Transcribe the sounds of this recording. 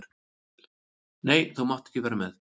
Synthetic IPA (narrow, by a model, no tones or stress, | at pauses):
ɾ | neːjθuwmaht̪ɛ̥hcɪvɛːɾamɛð